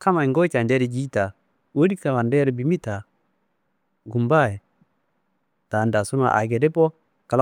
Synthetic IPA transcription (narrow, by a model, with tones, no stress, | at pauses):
ka˦ma˨i˨ŋɡo˦t͡ʃa˨nde˦ɾi˨d͡ʒi˦ta˨ | wo˦di˦kta˨wa˨nde˦ɾbi˨˦mi˦ta˨ | ɡu˨mba˦˨je˨ | ta˨nda˨su˦ma̰˨ʔa̰˨ɡe˨de˦po˦ | ka˨l